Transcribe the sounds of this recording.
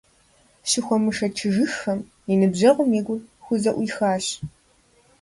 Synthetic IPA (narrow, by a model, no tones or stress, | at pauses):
ɕɪxʷɔmɨʂɐt͡ʃʰɨʒɨxɐm | inɨbʑɐʁʷʊmiːɡʷʊrxʷʊzɐʔʷʊxaːɕ